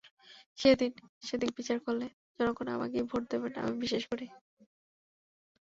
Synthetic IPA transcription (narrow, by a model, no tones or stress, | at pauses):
ʃed̪inʃed̪inbit͡ɕaɾkolːe | d͡ʑɔnokona̰ma̰kibʱoʈ̚d̪ebena̰mibiʃeʃkoɾi